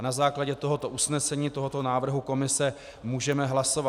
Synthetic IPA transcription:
nazaːklaɟɛt̪o̞ɦo̞t̪o̞ʔusnɛsɛɲiːt̪o̞ɦot̪o̞naːvr̩ɦuko̞mɪsɛ | muːʒɛmɛɦlaso̞va

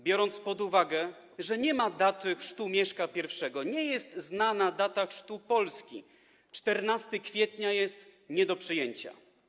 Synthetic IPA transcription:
bʲjɔɾɔnt̪spɔd̪uvaɡɛ | ʐɛɲɛmad̪at̪ɘxʂt̪umʲjɛʂkapʲjɛɾfʂɛɡɔɲɛjɛst̪znanad̪at̪axʂt̪upɔlskʲḭ | t͡ʂt̪ɛɾnast̪ɘkfʲjɛt̪ɲajɛst̪ɲɛd̪ɔpʂɘjɛɲt͡ɕa̰

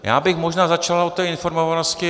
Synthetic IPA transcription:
ja̰ːbɪxmoʒnaːzat͡ʃalaot̪ːɛːɪnfo̞ɾmovanoscɪ

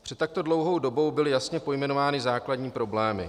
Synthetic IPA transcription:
pr̥ɛt̪t̪ːak̚t̪o̞dlowɦo̞wdo̞bo̞wbɪlɪjasɲɛpo̞jmɛnovaːnɪzaːkladɲiːpɾo̞blɛːmɪ̰

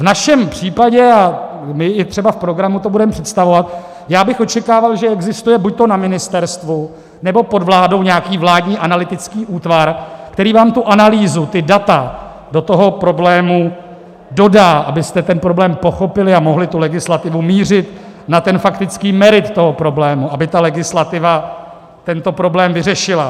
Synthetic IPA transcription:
vnaʃɛmpr̝̥iːpaɟɛa | mɪɪt̪r̥ɛbafpɾo̞ɡɾamut̪o̞budɛmɛpr̥ɛt̪st̪avo̞vat̪ | jaːbɪxo̞t͡ʃɛkaːvalʒɛɛɡzɪst̪ujɛbuc̚t̪o̞namɪnɪst̪ɛɾst̪vu | nɛbo̞po̞dvlaːdo̞wɲɛakiːvlaːdɲiːʔanalɪt̪ɪt͡skiːʔuːt̪vaɾkt̪ɛɾiːvaːmt̪uʔanaliːzut̪ɪdat̪a | do̞t̪o̞ɦo̞pɾo̞blɛːmu | do̞daːʔabɪst̪ɛt̪ɛnpɾo̞blɛːmpo̞xo̞pɪlɪamo̞ɦlɪt̪ulɛɡɪslat̪ɪvumiːr̝ɪt̪ | nat̪ɛnfakt̪ɪt͡skiːmɛɾɪt̪ːo̞ɦo̞pɾo̞blɛːmuʔabɪt̪alɛɡɪslat̪ɪva | t̪ɛnt̪o̞pɾo̞blɛːmvɪrɛʃɪla

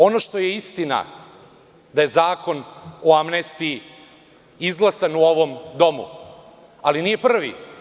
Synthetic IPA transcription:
o̞no̞ʃt̪o̞je̞ist̪ina̰ | d̪aje̞zaːko̞noamnest̪ii | izɡlˠasanuoʋo̞md̪o̞mṵ | alinije̞pr̩ʋḭ

